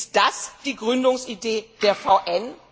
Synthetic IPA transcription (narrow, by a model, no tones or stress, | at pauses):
ɪstd̥asd̥iːɡʁʏndʊŋsideːd̥eːɐfaʊʔɛn